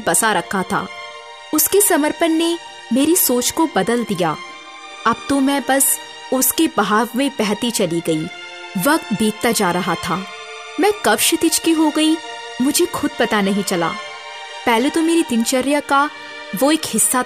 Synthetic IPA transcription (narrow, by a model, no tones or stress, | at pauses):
bɐsaɾɐkʰːat̪ʰa̰ː | ʊskesɐməɾpənːe | meːɾisoːt͡ʃkobɐd̪əld̪ija̰ː | ɐb̚t̪omɛ̃bɐs | ʊskebɦaːʋmẽbɛɦt̪it͡ʃɐliɡɐiː | ʋɐkt̪bʱiːt̪̚t̪ad͡ʒaːɾɐɦat̪ʰaː | mɛ̃ːkɐbʃɪt̪ɪt͡ʃkiɦoɡɐi | mʊd͡ʒʱexʊd̪̚pɐt̪anɐɦĩt͡ʃɐla̰ː | pɛɦlet̪omeːɾid̪ɪnt͡ʃɐɾjaka | ʋoeːkhɪsːa